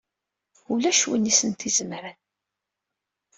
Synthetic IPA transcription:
ulæʃwənːisənt̪izəmɾən

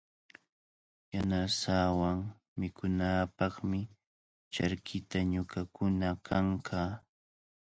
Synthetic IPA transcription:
janasaːwaŋ | mɪkʰʊnaːpɑχmɪ | t͡ʃaɾkʰɪt̪aɲʊkakʊnakʰaŋkʰaː

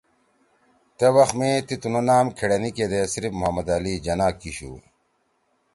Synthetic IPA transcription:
t̪ewɐxmeːt̪it̪unonaːmkʰeɽɐniked̪esɾifmuɦɐmɐd̪alid͡ʑɐnaːkiɕṵ

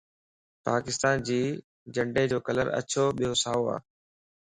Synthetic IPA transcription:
paːkɪst̪aːnd͡ʑiː | d͡ʑə̃ɳɖed͡ʑoːkɐlə̰ɾɐ̰t͡ɕʰoɓijosaːʋoa̰ː

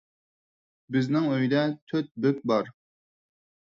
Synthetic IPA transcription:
bɪznɪŋøjd̪ɛt̪ʰøt̪̚bɪp̚bɑɾ

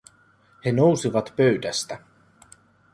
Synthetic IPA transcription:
henowsiʋɑt̪pøɥd̪æst̪æ

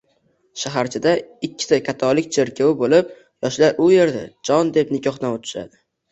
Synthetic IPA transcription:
ʃaɦaɾt͡ʃʰɪd̪aɪkʲʰːɪ̥sakʲʰat̪ʰɒlːɪkʲt͡ʃʰeɾkʲʰawɪbolɪp̚ | jɒʃlaɾʊje̞ɾd̪a̰d͡ʒɒnd̪e̞pnɪkʲʰɒχd̪anot̪ʰɪ̥ʃa̰d̪ɪ

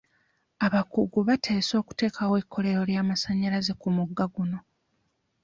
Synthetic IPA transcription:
aβakuɡuβatʰe̞ːso̞ːku̥te̞ːkʰawekʰːo̞le̞ɾo̞ljaːmasaɲːaɾaze̞kumuɡːaɡuno̞

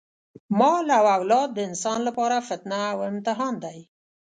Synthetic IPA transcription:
mɑlaawawlɑd̪ːəɪnsɑnlapɑɾafɪt̪naːwɪmt̪ɪɦɑnd̪aj

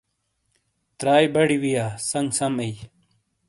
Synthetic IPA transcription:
t̪ɾaːjbɐɽiwijaːsɐŋɡsɐmej

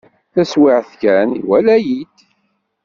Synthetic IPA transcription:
θæswɪʕθkæniwælæjid̪̥

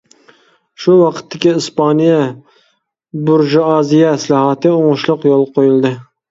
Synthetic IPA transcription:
ʃuwɑqʰə̥t̪ʰːɪkʲiispɑnijɛ | buɾʒuɑzijɛsɨlˠɑɦɑt̪ʰɨoŋʊʃlˠʊqjolˠqʰojulˠd̪ɨ

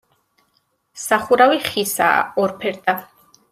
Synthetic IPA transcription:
saχuɾaviχisa̰ːɔɾpʰɛɾd̪a

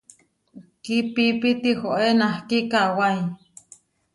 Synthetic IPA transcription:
kipipit̪ihoʔenahkikawai

